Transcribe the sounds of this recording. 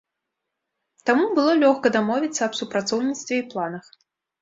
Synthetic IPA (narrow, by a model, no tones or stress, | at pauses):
t̪amubɨlˠɔlʲɔxkɐd̪amɔvʲit̪sːɐːpsupɾat̪sɔwnʲit̪st̪vʲɛiplˠanɐx